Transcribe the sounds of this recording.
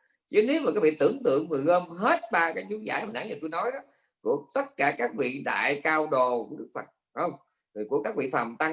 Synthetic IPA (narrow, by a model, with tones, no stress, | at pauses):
t͡ɕə˨˦ne˨˦wmaː˨˩kaː˨˦˥kvi˧˨t̪ɨ̰˧˩əŋt̪ɨ̰˧˨əŋːɨ˨˩əjɣəː˧mɦe˦˥t̚ɓaː˧kaː˨˦˥jt͡ɕu˨˦za̰ː˧˩jhaː˨˩nʔaː˧˦nɲaː˨˩t̪u˧jnɔ˨˦jɗɔ˨˦ | ku˧˩ət̪ə˦˥t̚kaː˧˩kaː˦˥k̚vḭ˧˨ɗa̰ː˧˨jkaː˧wɗo˨˩ku˧˦ɗɨ˦˥k̚fə˨˩t̚ha˨˦hwŋ͡m | vi˨˩ku˧˩əkaː˦˥k̚vḭ˧˨fa˨˩mt̪a˧